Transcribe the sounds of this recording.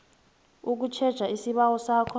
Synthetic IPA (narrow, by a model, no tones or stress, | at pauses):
uk̬ut͡ʃʰɛd̥ʒ̥ʱaisiɓawɔsakʰɔ